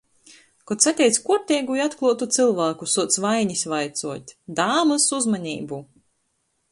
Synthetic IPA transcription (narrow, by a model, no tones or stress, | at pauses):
kɔt̪sat̪ʲɛjt̪skuɔɾt̪ʲɛjɡujat̪klˠuɔt̪ut̪sɨlˠvaːkusuɔt̪svajɲisvajt̪suɔt̪ʲd̪aːmɨsuzmanʲḭːbu